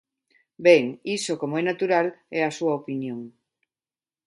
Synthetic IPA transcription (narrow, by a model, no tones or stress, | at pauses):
bɛŋisokomoɛnat̪uɾalɛasuaopinjoŋ